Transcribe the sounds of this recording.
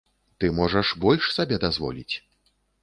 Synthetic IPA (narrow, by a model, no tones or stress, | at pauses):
t̪ɨmɔʐɐʂbɔlʲʂsabʲɛd̪azvɔ̰lʲḭt͡sʲ